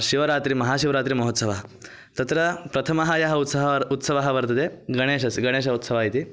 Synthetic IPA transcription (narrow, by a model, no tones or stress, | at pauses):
ʃiʋɐɾaːt̪ɾimɐɦaːʃiʋɐɾaːt̪ɾimɐɦot̪sɐʋaɦɐ | t̪ɐt̪ɾɐpɾɐt̪ʰɐmɐɦɐjɐɦɐut̪sɐɦɐut̪sɐʋaɦɐʋɐɾt̪ɐd̪eɡɐɽ̃eːʃɐsiɡɐɽ̃eːʃ̬ɐut̪sɐʋaːjit̪i